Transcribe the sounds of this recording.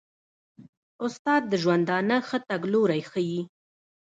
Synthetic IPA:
ʊst̪ɑd̪̚ːəʒwand̪ɑnəxət̪aɡloɾajxəji

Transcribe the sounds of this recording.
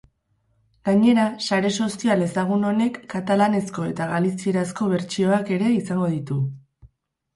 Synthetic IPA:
ɡ̥aɲe̞ɾasaɾe̞so̞siale̞saɣ̞uno̞ne̞kːat̪alane̞sko̞e̞t̪aɣalisie̞ɾasko̞β̞e̞ɾt͡ʃio̞ake̞ɾe̞isaŋɡo̞ðit̪u

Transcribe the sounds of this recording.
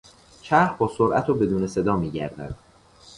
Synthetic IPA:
t͡ʃʰæhɾbɒːsoɾʔæ̰t̪ʰoːbe̞d̪uːne̞se̞d̪ɒːmiːɟæ̰ɾd̪æ̰d̪̥̚

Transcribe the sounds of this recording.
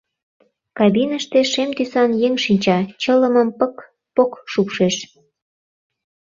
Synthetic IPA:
kɑbinəʃt̪eʃemt̪ysɑnjeŋʃinʲt͡ɕɑt͡ɕələməmpək | pokʃupʃeʃ

